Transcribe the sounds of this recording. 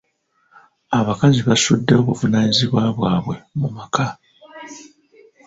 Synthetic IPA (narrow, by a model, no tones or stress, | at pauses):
aβakaziβasudːe̞o̞βuvunaːniziβwaβwaːβwe̞mumaka